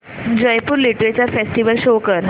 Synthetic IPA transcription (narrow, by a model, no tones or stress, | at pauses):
d͡ʑəjpuːɾliʈʋet͡ɕaɾfesʈiʋəlɕokəɾ